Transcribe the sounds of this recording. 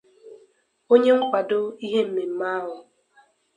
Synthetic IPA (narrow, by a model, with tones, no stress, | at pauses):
o˦ɲe˦ŋ̩˦kʷa˨do˦i˦ɦe˦m̩˨me˨m̩˦ma˦a˦ɦʊ˨